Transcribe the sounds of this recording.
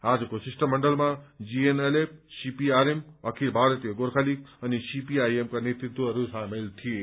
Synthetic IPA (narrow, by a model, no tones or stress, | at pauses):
aːd͡zukosisʈəmːəɳɖəlmad͡ʒienelep̚sipiaɾemʌkʰilbʱaɾət̪ijeɡoɾkʰalik̚ʌnisipiajemkanet̪it̪wəəɾusãmelt̪ʰie